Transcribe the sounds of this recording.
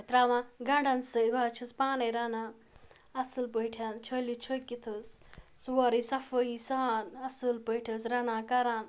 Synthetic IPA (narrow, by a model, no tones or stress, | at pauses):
t̪ɾaːmãɡɐɳɖɐnsəibaːt͡ʃʰispaːneɾɐna | ɐsɨlpəjʈʰʲant͡ʃʰəlit͡ʃʰəkit̪ʰɨsswɐɾisɐfəisaːnɐsɨlpəjʈʰɐsɾɐnãːkɐɾaːn